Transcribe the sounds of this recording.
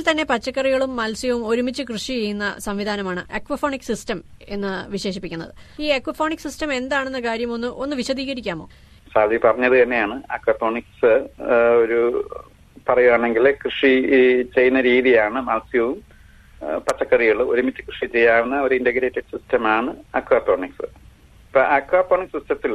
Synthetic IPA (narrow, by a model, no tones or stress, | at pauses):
ilt̪ɐnːe̞pɐt͡ɕːɐkːɐriɣɐɭumːɐlsjɐʋumo̞ɾumit͡ɕːɨkrɨʂit͡ɕe̞jːunːɐ̰sɐmʋid̪ʱaːnɐmaːɳɨ̰ʔekʋɐfoːɳiksistɐme̞nːɨʋiɕe̞ːʂipːikʲːunːɐ̰ðɨiːekʋɐfo̞ːɳiksistɐme̞nd̪aːɳenːɐkaːɾjɐmo̞nːɨʔo̞nːɨʋiɕɐd̪iːɣɐɾikʲːaːmo̞ː | saːd̪ʱjipɐrɐɲːɐðɨt̪ɐnːe̞jaːɳɨɐkʋɐfoːɳiks | oɾu | pɐrɐjuaːɳeŋɡilkrɨʂit͡ɕe̞jːunːɐɾiːðijaːɳɨmaːsijɐʋum | pɐtːɐkːɐrijuɭːɨo̞ɾumitːɨkrɨʂit͡ɕe̞jːaːʋunːɐo̞ɾuindɐɡɾeːtːɐɖsistɐmaːɳɨɐkʋaːpoːɳiksɨ | pːo̰ʔɐkʋaːpːoːɳiksistɐsilːɐ